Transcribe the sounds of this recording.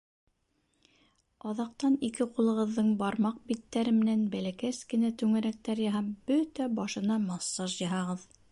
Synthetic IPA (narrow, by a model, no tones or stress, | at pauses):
ɑðɑqt̪ɑnikɘqulˠɤ̆ʁɤ̆ðːɤɴbɑɾmɑq̚bit̪ːæɾɘmɘ̆nænbælækæskɘ̆næt̪ʉŋɘ̆ɾæk̚t̪æɾjɤɦɑb̥ɵt̪æbɑʃɤ̆nɑmɑsːɑʒjɤ̆ɦɑʁɤð